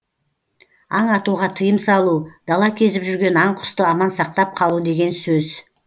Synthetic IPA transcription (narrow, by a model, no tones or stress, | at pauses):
ɑɴɑt̪uʁɑt̪ʰəjəmsɑlˠud̪̥ɑlˠɑkʲʰe̞zɪpʒʏɾɡʲe̞nɑɴqʰʊ̥st̪əɑmɑnsɑqt̪ɑp̚qʰɑlˠud̪e̞ɡʲe̞nsɵz